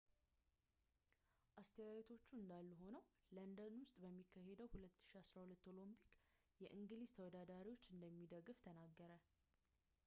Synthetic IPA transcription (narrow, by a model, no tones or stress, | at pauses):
ʔast̪ʰəwawɛt̪ʰo̞t͡ʃːuɨnd̪alːuɦo̞nəwlənd̪ənwʊst̪ʼbəmːikʰːahe̞d̪əwhulət̪ːɨ̥ʃiasɾahulət̪ːo̞lo̞mpʰi̥k | jɛʔɨŋɡɨliz̥t̪ʰəwɔd̪ad̪aɾiwo̞t͡ʃːɨnd̪əmːid̪əɡɨft̪ʰənaɡːəɾə